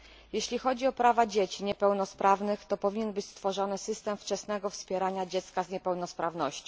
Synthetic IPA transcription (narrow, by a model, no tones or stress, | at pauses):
jeɕlʲixɔd͡ʑiɔpɾavad͡ʑet͡ɕiɲɛpɛwnɔspɾʔavnɘxt̪ɔpɔvʲiɲɛnbɘt͡ɕst̪fɔʐɔnɘsɘst̪ɛmft͡ʂɛsnɛɡɔfspʲjɛɾaɲad͡ʑɛt̪skazɲɛpɛwnɔspɾavnɔɕt͡ɕɔ̃